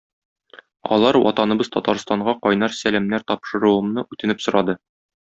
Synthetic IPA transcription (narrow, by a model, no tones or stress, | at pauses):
ɒ̰lˠɑɾwɒ̰t̪ɑnɤ̆bɤzt̪ɒt̪ɑɾst̪ɑɴɢɑqɒjnɑɾsælæmnæɾt̪ɒpʃɤ̆ɾuwɤ̆mnɤʔʉt̪ɘ̆nɘpsŏɾɑd̪ɤ